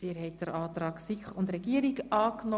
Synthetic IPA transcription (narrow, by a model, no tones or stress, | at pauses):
iːɾhɛɪt̚d̥əɾɑːt̪ɾɑːksikχʊndɾɛɡiːəɾikɑːknɔ